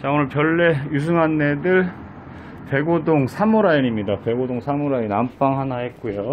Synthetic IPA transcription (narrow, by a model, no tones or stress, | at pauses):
t͡ɕaonɯɭpjʌɭːe̞jus̬ʰɯŋanːe̞dɯɭ | pe̞ɡodoŋsʰamoɾaiɲimɲidape̞ɡodoŋsʰamoɾainamp͈aŋɦanahe̞t̚k͈ujo